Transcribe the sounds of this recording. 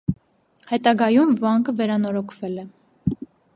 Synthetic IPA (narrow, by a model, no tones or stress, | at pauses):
hɛt̪ɑɡɑjumvɑŋkʰəvɛɾɑnɔɾɔkʰv̥ɛlɛ